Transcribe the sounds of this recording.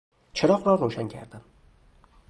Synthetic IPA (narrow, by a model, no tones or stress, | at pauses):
t͡ʃʰɪɾɒqlɒɾuwʃankʲʰa̰ɾd̪ɪm